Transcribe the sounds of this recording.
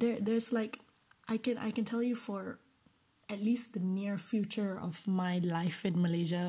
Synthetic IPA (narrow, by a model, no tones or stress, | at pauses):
d̪ɛd̪ɛslaɪkʔaɪkɛ̃nʔa̰ɪkɛ̃ntʰɛljufɔɹ | ɛt̚list̚d̪əniɹfjut͡ʃə˞ɔ̰vmaɪlaɪfɪ̃nməleʒə